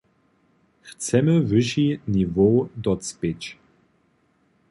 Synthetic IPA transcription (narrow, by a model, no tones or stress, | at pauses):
xt͡sɛməvɨʃinivod̪ɔt͡spʲet͡ɕ